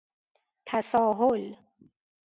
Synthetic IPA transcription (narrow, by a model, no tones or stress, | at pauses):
t̪ʰæsɒːɦol